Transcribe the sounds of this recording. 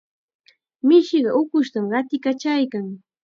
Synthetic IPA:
mɪʃɪɢɑʔʊkʊʃt̪amɢɑt̪ɪkat͡ʃajkaŋ

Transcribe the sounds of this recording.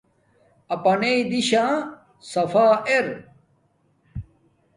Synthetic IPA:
ɐpɐneid̪iɕã | sɐfaːʔeɾ

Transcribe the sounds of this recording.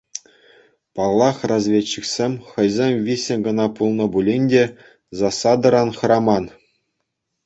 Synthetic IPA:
pɑlˠːɑχrɑzʲʋʲet͡ɕːiksʲemʲχɤ̆jzʲemʲvʲisʲĕnʲɡɤ̆nɑpulˠnɤ̆bulʲenʲdʲe | zɑsɑd̪ɤ̆ɾɑnχɤ̆ɾɑmɑn

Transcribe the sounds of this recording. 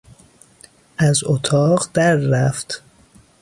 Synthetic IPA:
ʔæzot̪ʰɒːɢd̪̥æɾːæft̪

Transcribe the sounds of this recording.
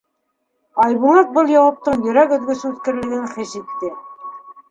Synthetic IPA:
ɑjβulˠɑt̪̚bɤlˠjɑwɑp̚t̪ɤɴjɵ̆ɾækɵ̆ðɡɵsʉðkɘ̆ɾlɘ̆ɡɘŋχɘʃit̪ːɘ

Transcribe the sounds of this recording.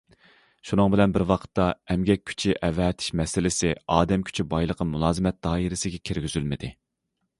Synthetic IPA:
ʃunɨŋbɪlɛnbɪɾwɑqʰə̥t̪ːɑɛmɡʲɛk̚ʲʰːy̥t͡ʃʰiʔɛvɛːt̪ʰɪ̥ʃmɛsɪlɪsɪɑːd̪ɛmkʲʰy̥t͡ʃʰibɑjlˠəqʰəmulˠɑːzɨmɛt̪̚d̪̥ɑːiɾɪsɪɡʲɛkʲʰiɾɡʲyzylmɪd̪ɪ

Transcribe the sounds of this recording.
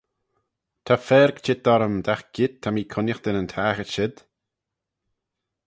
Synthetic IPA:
t̪ʰafɛːɾɡt͡ʃɪt̪̚d̪ɔɾəmd̪axɡ̥ɪd̪̚t̪ʰːamiːkʰʊnjəxd̪̥ɪnənt̪ʰaːxəʃɪd̪̥

